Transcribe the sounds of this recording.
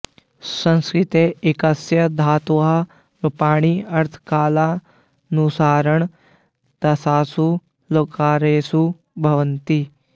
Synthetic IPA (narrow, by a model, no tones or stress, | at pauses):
sɐ̃nskɾɪt̪eːɪkɐsjɐd̪ʱaːt̪oɦa | ɾɐpaːɽ̃iɐɾt̪ʰkaːlaː | nusaːɾəɳ | t̪ɐsaːsu | loːkaːɾeːsu | bʱɐʋənt̪i